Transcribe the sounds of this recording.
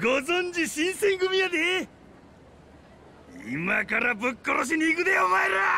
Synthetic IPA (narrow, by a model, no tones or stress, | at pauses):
ɡozond͡ʑiɕinsẽŋɡɯmiad̪e | ḭmakaɾabɯkːɔɾoɕ̬iniɡɯd̪eomaeɾa